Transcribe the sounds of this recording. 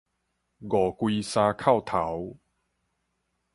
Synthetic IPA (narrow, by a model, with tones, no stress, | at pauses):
ɡɔ˨˩kwi˧sãː˧kʰa˥˨wt̪ʰa˨˦w